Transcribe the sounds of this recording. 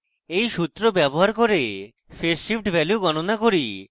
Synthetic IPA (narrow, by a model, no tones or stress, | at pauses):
ejʃut̪ːɾobɛboɦaɾkoɾe | feɾʃifʈbʱɛljuɡɔnonakoɾi